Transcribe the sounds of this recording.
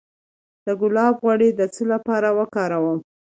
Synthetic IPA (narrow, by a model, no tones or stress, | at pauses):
d̪̥əɡʊlɑbɣwaɽed̪ət͡səlapɑɾawəkɑɾawəm